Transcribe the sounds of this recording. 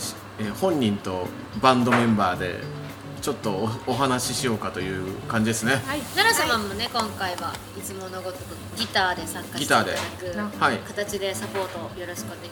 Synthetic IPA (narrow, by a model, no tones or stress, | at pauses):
eːhõ̞ɲ̟ːĩnt̪o̞ | bãnd̪o̞mẽ̞mbaːd̪e̞̰ | t͡ɕo̞t̪ːo̞ːɦanaɕiɕijo̞ːkat̪o̞jɯ̟ːkãɲ̟d͡ʑid̪e̞sɨne̞naɾasomãmːone̞kõ̞ŋkaiβa | it͡sɨmo̞no̞ɡo̞t̪okɯ | ɡʲit̪aːd̪e̞sãŋkaɡʲit̪aːd̪ekɯhaikat̪at͡ɕid̪e̞sapo̞ːt̪o̞jo̞ɾo̞ɕi̥kɯoneɡ